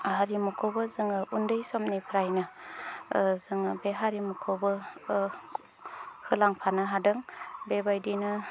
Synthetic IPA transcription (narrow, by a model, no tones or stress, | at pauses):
ɦaɾimukʰowbɯzɯŋɯʔundɯjsɔmnipʰɾajna | zɯŋɯbeɦaɾimukʰowbɯ | hɯlaŋpʰanaɦadɯŋbebajdinɯ